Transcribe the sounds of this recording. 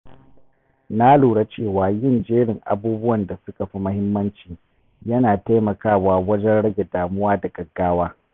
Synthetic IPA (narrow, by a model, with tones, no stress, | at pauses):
na˦luː˨ɽa˦t͡ʃeː˦˨waː˨jɪ˦nd͡ʒeː˦ɽɪ˨ŋʔa̰˨buː˦bʊ˦wɐ˨nda˨sʊ˦ka˨ɸi˦mʊ˦hɪ˦mːɐ˦nt͡ʃiː˨ | jɐ˦naː˨ta˦jmɐ˨kaː˦waː˦wɐ˦d͡ʒɛ˦nɽɐ˦ɡʲe˨daː˨mʊ˦waː˦da˨ɡɐ˨ɡːaː˦waː˦